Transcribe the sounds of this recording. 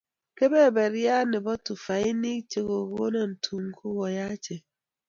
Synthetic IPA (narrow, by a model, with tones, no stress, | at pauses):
ke˦be˦˨be˨ɾja˦ne˨bɔ˦tu˨fa˨i˦ni˦t͡ʃe˦˨ɣo˨ɣo˦na˨n̩˨tʰu˨ŋ˦kʰu˦wɔ˨ja˦t͡ʃe˨